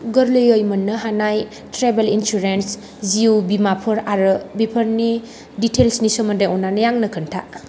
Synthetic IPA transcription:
ɡɐɾlejojmɐnːɐɦanaj | tɾebelinsuɾens | ziubimapʰɯɾaɾɯbipʰəɾni | ditʰelsnisomɐndajɔnːanɐjaŋnɐkʰəntʰa

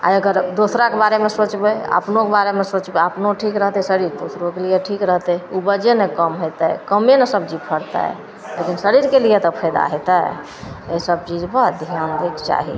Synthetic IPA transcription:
a̰əɡəɾd̪osɾakebaɾemesot͡ʃbɛə̰pnokebaɾemesot͡ʃbeəpnoʈʰikɾəɦt̪ɛsəɾiɾd̪osɾokelijeʈʰikɾəɦt̪ɛubəd͡ʒenekəmɦot̪ɛkəmenəsəb̚d͡ʒipʰəɾt̪a̰ | lekinsəɾiɾkelijet̪ɔpʰəjd̪a̰ɦet̪a | esəb̚t͡ʃid͡ʒbəd̪ʱijanɾekt͡ʃa̰ɦḭ

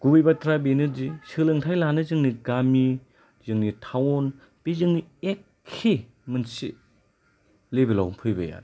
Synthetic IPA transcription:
ɡ̥ubijbatʰɾabenɯdisɯlɯŋtʰajlanɯzɯŋniɡami | zɯŋnitʰawon | b̥izɯŋniekʰːi | mɯnsḭ | lebila̰wmpʰɯjbɐ̰ja̰ɾ

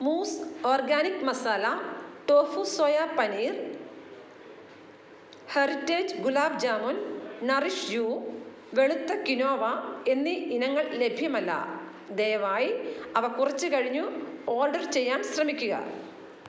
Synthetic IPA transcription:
muːsoːrɡaːnikmɐsaːlɐʈoːfusojapɐniːr | hɐritːeːd͡ʑɡulaːbd͡ʑaːmonnɐriʂjuː | ʋe̞ɭut̪ːɐkino̞ːʋɐe̞nːiinɐŋːɐɭle̞bʱjɐmɐlːɐ̰ | d̪ejʋaːjiɐʋɐkurɐt͡ɕːɨkɐɻiɲːuoːrɖɐrt͡ɕe̞jːaːnɕrɐmikʲːuɣɐ̰

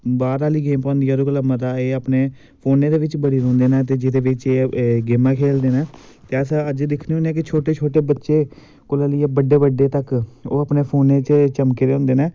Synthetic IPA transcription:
baːɾaːliːɡeːmpãːnd̪iːaɾukolamət̪aːeːəpneː | pʰoːnẽːd̪eːʋɪt͡ʃbəɽiːɾõːnd̪eːnɛ̃ːt̪̬eːd͡ʒɪd̪eːʋɪt͡ʃeːɡeːmãːkʰeːld̪eːnaː | t̪eːəsəd͡ʒd̪ɪkʰniũnẽːk̬ɪt͡ʃʰoːʈeːt͡ʃʰoːʈeːbətːʃeː | kolaːlɪeːbəɖeːbəɖːeːt̪əkoːəpneːpʰoːnẽːt͡ʃt͡ʃəmkeːɾeːõːnd̪eːneː

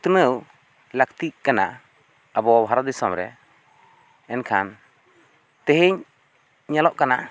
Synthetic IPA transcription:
t̪ənəw | lək̚t̪iʔkana̰ | əbɔbʱɦaɾɔd̪isɔmɾɛ̰ | ɛnkʰan | t̪əɦiɲ | ɲalɔʔkana

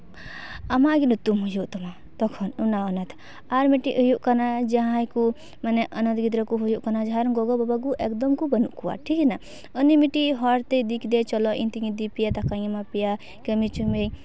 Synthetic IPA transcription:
ɐmaɡinut̪umɦujuʔt̪ɔma | t̪ɔkʰɔnunaɔnat̪ʰ | aɾmiʈiʔujuʔkanad͡ʒaɦãjku | maneʔɐnɐt̪ɡid̪ɾɔkuɦujuʔkanad͡ʒaɦaɾɡɔɡɔbabaɡuʔekd̪ɔmkubɐnuʔkuwa̰ʈʰikina | ənimiʈiɦɔɾt̪ed̪ikʰd̪et͡ʃɔlɔʔḭnt̪iŋid̪ipijat̪akajimapija | kəmit͡ʃume

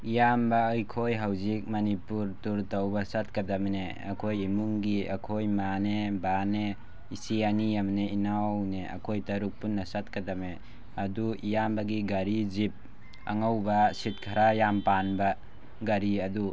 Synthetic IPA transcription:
ijambaːjkʰojɦawzik̚mɐnipuɾtuɾtawbɐsat̚kɐdɐmne | ɐ̰kʰojimuŋɡiɐkʰojmanebane | isianijamneinawneɐ̰kʰojtɐɾuk̚punːɐsat̚kɐdame | ɐduijambɐɡiɡɐɾizip̚ | ɐ̰ŋawbɐsit̚kʰaɾajampanba | ɡɐɾiɐdu

